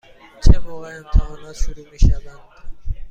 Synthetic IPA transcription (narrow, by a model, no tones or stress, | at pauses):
t͡ʃʰemoːɣeæmt̪ʰæɒːnɒːʃuɾuːmiːʃævænd̪̥